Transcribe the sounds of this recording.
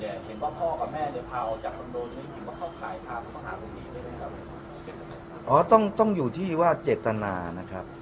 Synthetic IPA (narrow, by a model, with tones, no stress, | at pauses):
ni˥˩ɐhe˩˦nwaː˥˩pʰɔː˥˩ka˨˩p̚mɛː˥˩nɯ˧˦pʰaː˧wt͡ɕaː˨˩k̚mʰa˧ndoː˧nni˧˥˩he˨˩˦nwaː˥˩kʰaː˥˩wkʰaː˨˩˦jt̪ʰaː˧kma˧nɦa̰ː˩˦lo˧˩ŋniː˦˥lɯː˥˩˨jma˦˩kʰa˦˧˩ | ʔɔː˦˥t̪ɔ˥˩ŋt̪ɔ˥˩ŋjuː˨˩t̪ʰiː˥˩waː˥˩t͡ɕeː˨˩t̪ːa˧na̰ː˧na˦˥kʰɾa˦˥p̚